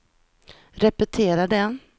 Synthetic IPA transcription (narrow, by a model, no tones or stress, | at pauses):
ɾɛpɛt̪ʰeːɾaɖɛn